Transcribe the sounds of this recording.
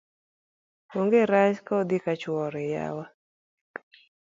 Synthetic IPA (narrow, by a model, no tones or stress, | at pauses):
oŋɡeɾat͡ʃkaod̪ikat͡ʃwɔɾɛja̰wa